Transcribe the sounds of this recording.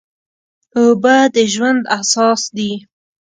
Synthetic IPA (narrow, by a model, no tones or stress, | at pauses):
obad̪əʒwand̪asɑsd̪i